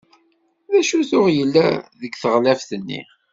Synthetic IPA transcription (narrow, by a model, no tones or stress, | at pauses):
ðæʃuθʊʁjəlːæðəɡθəʁlæfθənːḭ